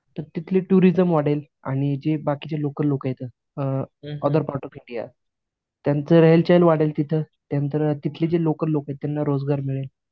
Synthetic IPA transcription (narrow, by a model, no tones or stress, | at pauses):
t̪əɾt̪it̪ʰleʈuɾid͡zəmʋaɽel | a̰ɽ̃id͡ʑebakit͡ɕelokəlːokjet̪əː | əd̪əɾpaɾʈɔfiɳɖija̰ | t̪jant͡səɾəɦelt͡ɕajlʋaɽelt̪it̪ʰə | t̪jant̪əɾt̪it̪ʰled͡ʑelokəlːokaet̪t̪ːjanːaɾod͡zɡaɾmiɭel